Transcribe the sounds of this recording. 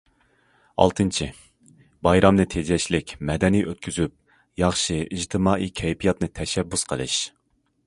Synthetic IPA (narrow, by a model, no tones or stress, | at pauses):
ɑ̰lˠt̪ʰɨnt͡ʃʰi | bɑjɾɑmnɨt̪ʰed͡ʒɛʃlɪkʲmɛd̪ɛnijʔøt̪̚kʲʰyzyp̚ | jɑχʃɨid͡ʒt̪ʰɨmɑːʔikʲʰɛjpʰijɑt̪nɨt̪ʰɛʃɛbːysqʰəlˠɨ̰ʃ